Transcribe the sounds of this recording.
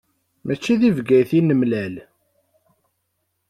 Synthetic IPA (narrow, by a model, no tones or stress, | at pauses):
mæt͡ʃːiðivɡæjθinəmlæl